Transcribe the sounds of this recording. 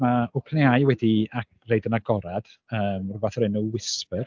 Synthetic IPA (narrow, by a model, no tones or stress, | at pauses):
naʊpʰneajwɛdia | rejdənaɡɔɾad̥ | əːmrʊbaθrɪnɔwɪspər